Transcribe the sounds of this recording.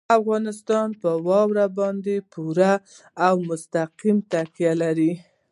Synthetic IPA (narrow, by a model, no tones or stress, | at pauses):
afɣɑnɪst̪ɑnpəwɑwɾabɑnd̪epuɾaː | wmʊst̪aqimt̪akjalaɾi